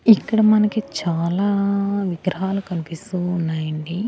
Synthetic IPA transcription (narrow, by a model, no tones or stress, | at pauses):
ikːɐɽɐmɐnɐkit͡ʃaːlaːʋiɡɾɐɦaːlukɐnipist̪uːnːaːjɐɳɖi